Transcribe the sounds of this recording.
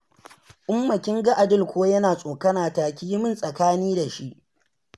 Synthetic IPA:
ʔʊ˦mːɐ˨kʲɪ˦ŋɡɐ˦ʔa˨dɪ˦˨lkʷoː˦jɐ˦naː˨sʼoː˨kɐ˦naː˨taː˨kʲi˦jmɪ˦˨nsʼɐ˨kaː˦niː˦da˨ʃi˦ʔ

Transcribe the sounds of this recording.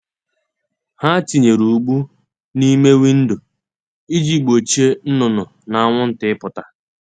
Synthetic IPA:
ha˦ti˨ɲe˨ɾu˨ɡ͡bu˦ | ni˦me˦wi˦n̩˦dʊ˨ | i˦d͡ʒi˦k͡po˨t͡ʃi˦e˦n̩˦nʊ˨nʊ˨ | na˨a˦ŋʷʊ˦n̩˦tɪ˦ɪ˦pʊ˨ta˨

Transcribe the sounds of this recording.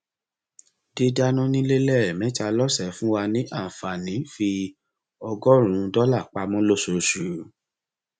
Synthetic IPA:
di˧da˧nũ˦nĩ˦le˦lɛ˦˨mɛ̃˨˦ta˧lɔ˦sɛ˨˦fũ˦wa˧nĩ˦ʔa˦˨fa˨nĩ˨˦fi˧ | ɔ˧ɡɔ˦ɾ̃ũ˨˦˧dɔ˦la˦˨k͡pa˧˦mɔ̃˦lo˦˨so˧˨ʃu˨

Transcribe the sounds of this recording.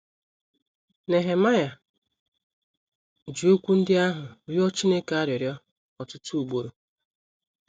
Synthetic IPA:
ne˨ɦe˨ma˦ja˨ | d͡ʒi˨o˦kʷu˦n̩˦dɪ˦a˦ɦʊ˨ɾi˦ɔ˦t͡ʃi˦ne˦ka˦ɾjɪ˨ɾjɔ˦ | ɔ˨tʊ˦tu˦u˨ɡ͡bo˦ɾo˨

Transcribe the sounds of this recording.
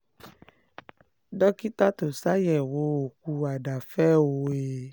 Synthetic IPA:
dɔ˦ki˦ta˦to˨sa˦jɛ˨wo˨˦o˨ku˧a˨da˨fɛ˦o˧e˧˨

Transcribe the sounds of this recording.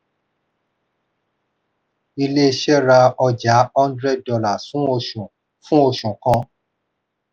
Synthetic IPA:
i˧le˦˧˨ʃɛ˦ɾa˧ɔ˧d͡ʒa˨˦ɔ̃˦ndɾɛ˦˨d̚dɔ˧la˦˨fũ˦o˧ʃũ˨ | fũ˦o˧ʃũ˨kã˧˦

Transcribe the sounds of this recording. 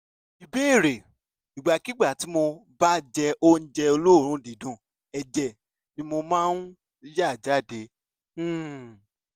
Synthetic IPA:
i˨be˦˨ɾe˨ | i˨ɡ͡ba˨ki˦ɡ͡ba˦˨ti˨˦mo˧ba˦d͡ʒɛ˧ʔo˦n̩˦d͡ʒɛ˧o˧lo˦˨ɾ̃ũ˨˦di˨dũ˦˨ | ɛ˧d͡ʒɛ˧˨ | nĩ˨˦mo˧mãː˦n̩˦ | ja˦˨d͡ʒa˦˨dẽ˧˦˨

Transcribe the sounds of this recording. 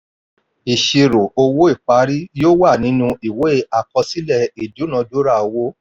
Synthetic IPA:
i˨ʃe˧ɾo˨o˧wo˦i˦˨k͡pa˨˦ɾi˦joː˦wa˦˨nĩ˨˦nũ˧i˨we˨˦a˨kɔ̃˧si˦lɛ˦˨i˨du˨˦nã˧˦do˦ɾa˦˨o˧wo˦

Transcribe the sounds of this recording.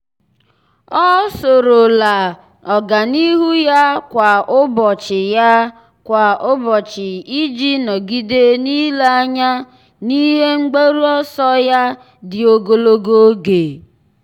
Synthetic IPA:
ɔ˦so˨ɾo˨la˨ | ɔ˨ɡa˨ni˦ɦu˦ja˦kʷa˨ʊ˦bɔ˨t͡ʃɪ˨ja˦ | kʷa˨ʊ˦bɔ˨t͡ʃɪ˨i˦d͡ʒi˦nɔ˨ɡi˦de˦ni˦la˦a˦ɲa˦ | ni˦ɦe˦ŋ͡m̩˦ɡ͡be˦ɾu˦ɔ˦sɔ˦ja˦ | dɪ˨o˨ɡo˦lo˦ɡo˦ɡe˨

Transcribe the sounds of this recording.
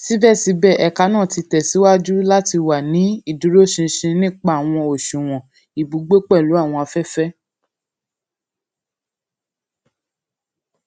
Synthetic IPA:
si˦bɛ˦˨si˨˦bɛ˦˨ʔɛ˨ka˧˦nãː˦˨ti˧tɛ˨si˨˦wa˦d͡ʒu˦la˦ti˧wa˨nĩ˨˦i˦˨du˨˦ɾo˦˨ʃĩ˧ʃĩ˧nĩ˦k͡pa˦a˨w̃ɔ̃˧o˨ʃũ˨w̃ɔ̃˨ | i˨bu˨˦ɡ͡bo˦k͡pɛ˦˨lu˨˦a˦˨w̃ɔ̃˧a˧fɛ˦fɛ˦

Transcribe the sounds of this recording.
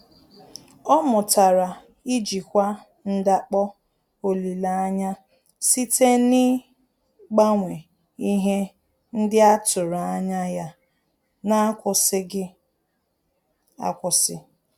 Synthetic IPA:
ɔ˦mʊ˨ta˨ɾa˨ | i˦d͡ʒi˨kʷa˦ | n̩˦da˦k͡pɔ˦ | o˨li˨la˨a˦ɲa˦ | si˦tʰe˦nɪ˦ | ɡ͡ba˦ŋʷe˨ | i˦ɦe˦ | n̩˦dɪ˦a˦tʊ˨ɾa˨a˦ɲa˦ja˦ | na˦kʷʊ˨sɪ˦ɡɪ˦ | a̰˦kʷʊ˨sɪ˦

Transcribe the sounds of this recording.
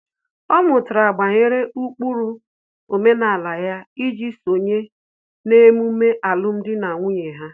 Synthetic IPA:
ɔ˦mʊ˨tʊ˨ɾa˨ɡ͡ba˨ɲe˦ɾe˦u˦k͡pu˦ɾu˦ | o˨me˦na˨la˨ja˦i˦d͡ʒi˦so˨ɲe˦ | ne˦mu˦me˦ʔa˨lʊ˦m̩˦dɪ˦na˨ŋʷʊ˦ɲe˨ɦa˦

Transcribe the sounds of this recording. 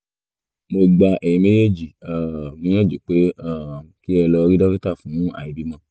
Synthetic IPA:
mo˧ɡ͡ba˧ʔɛ˨ĩ˧me˦je˦˨d͡ʒi˨a˨mũ˨˦ã˦˨d͡ʒu˨k͡pe˨˦a˦˨ki˦ɛ˧lɔ˧ɾi˦dɔ˦ki˦ta˦˨fũ˨˦ũ˦a̰˨i˨bi˨˦mã˧

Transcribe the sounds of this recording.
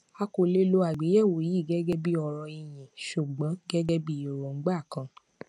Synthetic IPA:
a˧ko˨le˧lo˧a˨ɡ͡be˨˦jɛ˦˨wo˨ji˦˨ɡɛ˦ɡɛ˦bi˦ɔ˧˨ɾɔ˧i˧j̃ĩ˨ʃu˨ɡ͡bɔ̃˨˦ɡɛ˦ɡɛ˦bi˦˨jo˨ɾɔ˨ŋ͡m̩˦ɡ͡ba˦˨kã˧

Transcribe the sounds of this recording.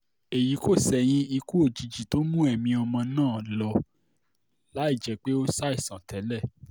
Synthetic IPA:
e˨ji˨˦ko˦˨sɛ˧j̃ĩ˦i˧ku˦o˦˨d͡ʒi˨˧d͡ʒi˨to˨˦mũ˦ɛ˦˨mĩ˧ɔ˧mã˧nãː˦˨lɔ˧ | la˨˦i˦˨d͡ʒɛ˨˦k͡pe˦o˦sa˦i˦˨sã˨tɛ˨˦lɛ˦˨

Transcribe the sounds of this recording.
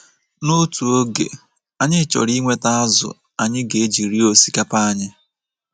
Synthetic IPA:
nʊ˦tu˨o˦ɡḛ˨ | a˨ɲɪ˦t͡ʃɔ̰˨ɾi˦ŋʷe˦ta˦a˦zʊ̰˨ | a˨ɲɪ˦ɡe˨˦d͡ʒi˨ɾi˦o˨si̥˦ka˦pa˦a˦ɲɪ˦

